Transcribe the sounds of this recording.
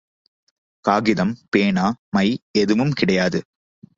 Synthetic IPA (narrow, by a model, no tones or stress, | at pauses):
kaːɣɪðɐmpeːɳaːmɐɪɛðɯʋɯmkɪɽɐjaːðɯ